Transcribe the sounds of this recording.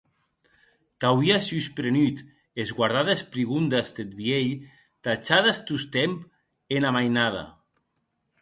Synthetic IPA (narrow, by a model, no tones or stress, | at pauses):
t̪awiasyspɾenyt̪ | ezɣwaɾðaðespɾiɣund̪ast̪et̪̚βieʎ | t̪at͡ʃaðast̪ust̪emp | enamajnaða̰